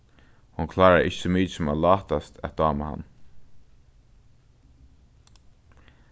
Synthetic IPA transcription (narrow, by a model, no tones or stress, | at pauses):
hʊnkʰlɑːɹaɹʔɪ̰çəmiːsʊmalɑːt̪ast̪ʰæ̰t̪̚d̪ɑːmaha̰n